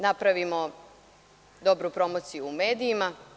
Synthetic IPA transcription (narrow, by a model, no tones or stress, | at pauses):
napɾaʋimo̞ | d̪o̞bɾupɾo̞mot̪sijuːme̞ːd̪ijima